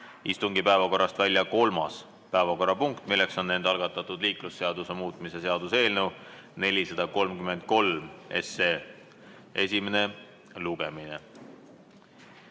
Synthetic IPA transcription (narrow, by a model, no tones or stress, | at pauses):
ist̪uŋɡipæe̞vɑko̞rːɑst̪vælʲjɑko̞lmɑ̰s | pæevɑko̞rɑpuŋkt̪ˑmilːe̞kso̞nːe̞nd̪ɑlɡ̥ɑt̪ːˑɑt̪ːˑud̪liːklusːe̞ɑd̪̥use̞muːt̪ˑmise̞se̞ɑd̪̥use̞ːlnewne̞lʲisɑd̪̥ɑko̞lmkyme̞nd̪̥̚ko̞lme̞̰se | e̞sʲime̞ne̞ | luɡ̥e̞mine